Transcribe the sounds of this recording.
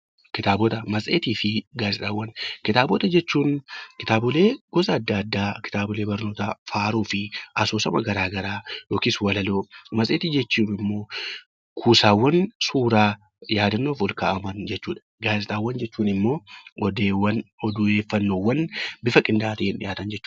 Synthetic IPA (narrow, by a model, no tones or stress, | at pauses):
kɪt̪aːbɔt̪ɐmɐsʼeːt̪iːfɪɡaːzɪt̪ʼaːwːɐnkɪt̪aːbɔt̪ɐd͡ʒɛt͡ʃːuːnkɪt̪aːbʊle̞ːɡ̥ɔsɐːd̪ːɐɐd̪ːaːkɪ̥t̪aːbʊle̞ːbɐɾno̞ːt̪ɐfaːɾuːfɪʔɐsoːsɐmɐɡɐɾaːɡɐɾaːjoːkiswɐlɐloːmɐsʼeːt̪iːd͡ʒɛt͡ʃːuːnɪmːo̞ː | kʰuːsaːwːɐnsuːɾaː | jaːd̪ɐnːo̞ːfɔlka̰ːʔɐmɐnd͡ʒɛt͡ʃːuːᶑɐ̥ | ɡaːzɪt̪ʼaːwːɐnd͡ʒɛt͡ʃːuːnɪmːo̞ːɔd̪eːwːɐnɔd̪ʊe̞ːfːɐnːo̞ːwːɐnbɪfɐkʼɪnd̪aːt̪ɪɪnᶑɪ̰jaːt̪ɐnd͡ʒɛt͡ʃː